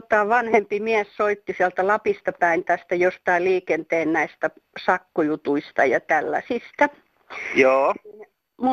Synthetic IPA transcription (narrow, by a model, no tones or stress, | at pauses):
t̪ɑʋɑnhempimiæssoit̪ːisiælt̪ælɑpist̪ɑpæint̪æst̪æjost̪ɑiliːkent̪eːnnæist̪æ | sɑkːojut̪uist̪ɑ̰jɑ̰t̪ælːæ̰sist̪æ | joːn | mu